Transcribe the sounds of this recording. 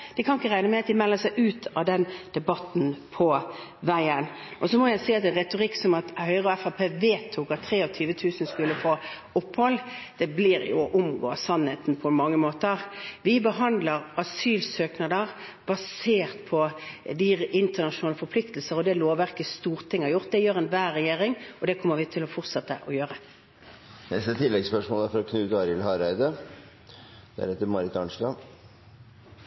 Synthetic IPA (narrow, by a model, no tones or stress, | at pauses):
d̪̥ɪkʰɑnɪkːəʁæɪnəmɛɑt̪̚d̪ɪmɛlːəsæɪʔʉːt̪ʰɑd̪ɛnd̪̥ɛbɑt̪ːn̩pʰɔ | ʋæɪən | ʔɔsɔmɔjæɪsiɪɑt̪ɛnʁɛt̪ʊʁɪkːsɔmɑt̪hœʏʁəɔɛfɑpʰeːʋeːt̪ʰːukɑt̪ʰːɾeːɔʋt̪ʰyːʋət̪ʰʉːsən̩skʉlːəfoː | ʊpːhɔlːd̪̥ɛblɪːɾjʊ̰ʔʊmɡo̰ːsɑnheːt̪n̩pʰɔmɑŋːəmoːt̪əʁʋɪbəɦɑnd̪ləɾɑsyːlsøːknɑd̪əʁ | bɑseːʁt̪pʰɔd̪ɪɪnt̪əʁnɑʂʊnɑːləfɔɾpʰlɪkt̪lsəɾɔd̪ɛloːʋæɾkəst̪uːʁt̪ʰɪŋːhɑɾjʊʁt̪̚d̪ɛjøːʁɛnʋæːʁɛjeːɾɪŋɔd̪ɛkʰɔmːəɾʋɪt̪ʰɪlɔfɔʁt̪sɑt̪ːə̰ʔɔjøːɾə | nɛst̪ət̪ʰɪlːɛɡspœʂmoːlæɾfɔɾɔkʰnʉːt̪əɑɾɪlhɑɾæɪd̪ə | d̪̥æ̰ɾɛt̪ːəɾmɑɾɪt̪ɑnʂlɑ